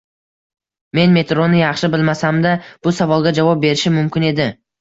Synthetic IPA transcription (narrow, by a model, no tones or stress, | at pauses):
me̞nme̞t̪ɾonːɪjɑχʃɪbɪlmasamd̪ab̥ʊsavɒlˠɡʲad͡ʒavɒp̚be̞ɾɪʃɪmʊmkʲɪne̞d̪ɪ